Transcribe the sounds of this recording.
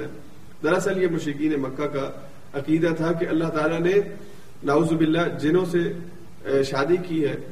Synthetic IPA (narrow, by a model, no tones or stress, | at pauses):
ɛ̰ː | d̪ɐɾɐsəljemʊʃɾɪkiːnemɐkːaka | ɐqiːd̪at̪ʰak̬eɐlːaɦt̪aːlane | nɐuːzbɪlːad͡ʒɪnõse | ʃaːd̪ikiɦɛː